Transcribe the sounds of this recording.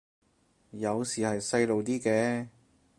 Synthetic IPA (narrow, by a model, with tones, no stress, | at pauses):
jɐ˨˧wsiː˨˩hɐ˨jsɐ˧jlo˨wt̪iː˥kɛː˧˥